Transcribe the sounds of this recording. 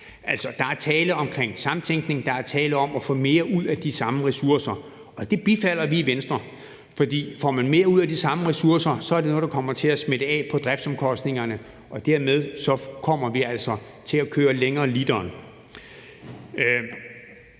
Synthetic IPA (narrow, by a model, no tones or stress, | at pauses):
ʔæl̰sɒ̽d̥ɑ̈æɐt͡sʰɛːləɒ̽mkʰʁeŋ̰sɑ̈mnt͡sʰeŋɡ̥ne̝ŋd̥ɑ̈æɐt͡sʰɛːləɒ̽mɒfɔ̰̽ːme̝ːɐʔuð̰ˠæd̥isɑ̈məʁɛsuɐsɐ | ɒ̽d̥e̝b̥ifæl̰ɐʋiːʋensd̥ʁɐ | fɒ̽d̥ḭːfɒmænme̝ːɐuð̞̰ˠæd̥isɑ̈məʁɛsuɐsɐsɒ̽æɐɾe̝no̽ːð̩ˠd̥ɑkʰɒ̽m̰ɐt͡sʰe̝læsmeɾ̥əɛ̰ːpʰɒ̽d̥ʁɛb̥sɒ̽mkʰɒ̽sd̥ne̝ŋɐnə | ʔɒ̽d̥eɐmeð̞ˠsɒ̽kʰɒ̽m̰ɐʋiæl̰sɒ̽ | t͡sʰe̝lækʰøːɐleŋɐːlid̥ɐːn